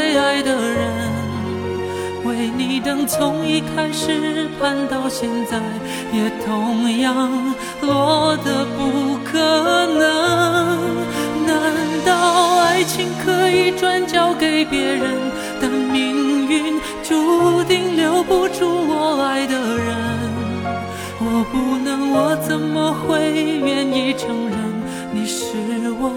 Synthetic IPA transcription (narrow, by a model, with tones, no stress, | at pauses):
e˥˧ɪa˧˥ɪd̪ə˧ɻə˧˦nn | we˧˥˩ɪni˨˩nɤ˧˥ŋt͡sʰʊ˧˥ŋi˧˥kʰa˥ɪʂɻ̩˨˩kʰa˥˧nt̪ɑ˥˧ʊɕjɛ˥˧nt͡sa˥˧ɪ | jɛ˨˩t̪ʰʊ˧˥ŋjɑ˥˧ŋ | lwɔ˧˥d̪ə˧pu˧kʰɤ˨˩nə˧˦ | na˧˥nt̪ɑ˥˧˩ʊa˥˩ɪt͡ɕʰi˧˥ŋkʰɤ˧˥i˨˩ʈ͡ʂwa˥nt͡ɕjɑ˥ʊke˨˧˩ɪpjɛ˧˥ɻə˧˥n | t̪a˧˩nmi˧˥ŋy˧˩n | ʈ͡ʂu˧˥t̪i˥˩ŋljo˧˥ʊpu˧ʈ͡ʂu˥wɔ˨˩la˧˥ɪd̪ə˧ɻə˧˦nn | wɔ˨˩pu˥˧nɤ˧˥ŋwɔ˨˧˩t͡sə˧˩nmə˧xwe˥ɪmjɛ˧˥ni˧˥ʈ͡ʂʰɤ˧˥ŋɻə˧˥n | ni˨˩ʂɻ̩˧˥wɔ˧